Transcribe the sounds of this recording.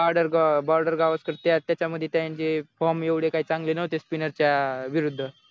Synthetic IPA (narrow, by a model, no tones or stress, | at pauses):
aɾɖəɾɡbɔɾɖəɾɡaʋəskəɾt̪jat̪jat͡ɕaməd̪ʱːjet̪jajaɲt͡ɕefɔmeʋɽekaɦiːt͡sãŋɡlenəɦot̪espinəɾt͡ɕjaʋiɾud̪ʱːə